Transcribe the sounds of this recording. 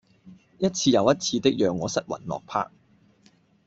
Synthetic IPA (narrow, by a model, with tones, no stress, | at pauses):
jɐ˥t̚t͡sʰiː˧jɐ˨˧wjɐ˥t̚t͡sʰiː˧t̪ɪ˥k̚jœː˨ŋːɔː˨˧sɐ˦˥t̚wɐ̰˨˩nlɔ̰ː˨k̚pʰa̰ː˥k̚